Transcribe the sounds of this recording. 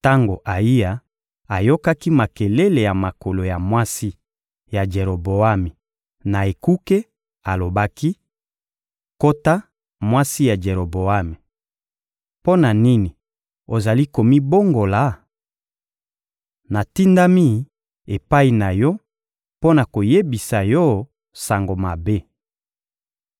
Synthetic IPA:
ta˦ŋɡo˨ʔa˨i˦a˨ | a˨jo˦ka˦ki˦ma˨ke˨le˦le˨ja˨ma˨ko˨lo˨ja˨mwa˦si˦ | ja˨d͡ʒe˨ɾo˨bo˨a˦mi˨ | na˨e˨ku˦ke˦ | a˨lo˨ba˦ki˦ | ko˦ta˦ | mwa˦si˦ja˨d͡ʒe˨ɾo˨bo˨a˦me˨ | po˦na˨ni˦ni˨ | o˨za˨li˦ko˨mi˦bo˦ŋɡo˨la˨˦ | na˨ti˦nda˦mi˦ | e˨pa˦i˨na˨jɔ˦ | po˦na˨ko˨je˦bi˨sa˨jɔ˦ | sa˨ŋɡo˨ma˨be˦

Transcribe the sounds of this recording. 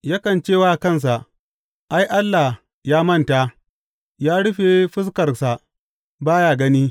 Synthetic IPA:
ja˦kɐ˨nt͡ʃeː˦˨waː˦kɐ˦˨ns̬a˨ʔ | ʔa˦jʔa˦lːa˨ | jaː˦mɐ˦nta˨ | jaː˦ɽʊ˦ɸe˨ɸɪ˦s̬kɐ˨rsa˨ | baː˦jaː˨ɡɐ˦niː˦

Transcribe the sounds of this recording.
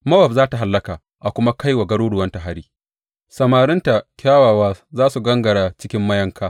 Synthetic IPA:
mɐ˦wɐ˨b̚zaː˦ta˨ɦa˨lːɐ˦kaː˨ | ʔa˨kʷʊ˦ma˦ka˦jwa˨ɡɐ˦ɽoː˦ɽʊ˨wɐ˦nta˨ɦa˦ɽiː˦ | sɐ˨maː˨ɾɪ˦nta˨kʲaː˦waː˨waː˦zaː˦su˨ɡɐ˦ŋɡɐ˨ɽaː˨t͡ʃɪ˦kʲɪ˦mːɐ˦jɐ˦ŋkaː˦

